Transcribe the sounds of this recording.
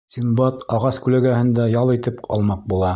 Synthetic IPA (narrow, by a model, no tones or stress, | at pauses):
sʲinbɑt̪ɑʁɑskʉlæɡæhɘ̆nd̪æjɑlˠit̪ɘpɑ̰lˠmɑq̚bulˠɑ